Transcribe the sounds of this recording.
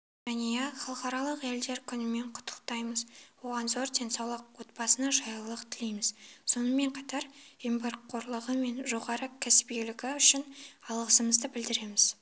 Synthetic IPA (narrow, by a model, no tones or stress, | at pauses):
ʒænejeχɑlˠəqɑɾɑlˠəqe̞ld̪e̞ɾkʲʰʏnɪme̞ɴqʰʊ̥t̪ʰːə̥q̚t̪ɑjməzwo̞ʁɑnzo̞ɾd̪ʲe̞nsɑwlˠəqwo̞t̪̚bɑsənɑʒɑjlˠəqt̪ʰɪle̞jmɪzso̞nəme̞ɴqʰɑt̪ɑɾembɑɾqqʰːo̞ɾlˠəʁəme̞nʒo̞ʁɑɾəkʲʰæsɪ̥pɡelɪɡʲɪʏʃɪnɑlˠʁəsəməzd̪əbɪld̪ɪɾe̞mɪz̥